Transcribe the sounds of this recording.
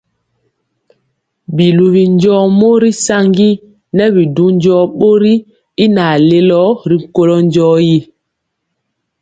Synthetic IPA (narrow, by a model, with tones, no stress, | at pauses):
bi˨lu˨βi˨ɲ˦d͡ʒɔ˦mo˦ɾi˦sa˦ŋɡi˦ | nɛ˦bi˨du˦ɲ˦d͡ʒɔː˦ɓo˦ɾi˦ | i˦na˨le˦lɔ˦ɾi˨ŋ̩˨ko˦lɔ˦ɲ˦d͡ʒɔː˦ji˦